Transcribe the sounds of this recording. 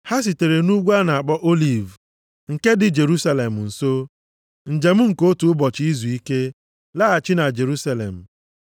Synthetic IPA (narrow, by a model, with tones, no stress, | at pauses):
ha˦s̬i˨te˨ɾe˨nu˦ɡʷa˦na˨a˨k͡pɔ˦ʔo˦li˨v | ŋ̩˨ke˦dɪ˨d͡ʒe˨ɾu˦sa˦le˨m̩˨n̩˨so˦ | n̩˨d͡ʒe˨m̩˦ŋ̩˨ko˦tu˨ʊ˦bɔ˨t͡ʃɪ˦i˦zu˨i˦ke˦ | la˦a˨t͡ʃɪ˦na˨d͡ʒe˨ɾu˦sa˦lḛ˨m̩˨